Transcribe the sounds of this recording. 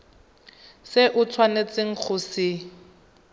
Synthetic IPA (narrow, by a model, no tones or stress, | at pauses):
sɪʔʊt͡sʰwanet͡sʼɪŋ̩k͡xʰʊsɪ